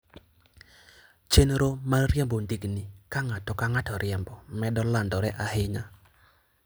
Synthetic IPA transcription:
t͡ʃenɾomalɾjɛmbondiɡnɪkaŋatɔkaŋatɔɾjɛmbɔmɛdɔlandɔɾɛʔahɪɲa

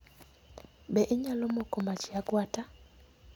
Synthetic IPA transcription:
bɛʔɪɲalomokomat͡ʃiaɡwata

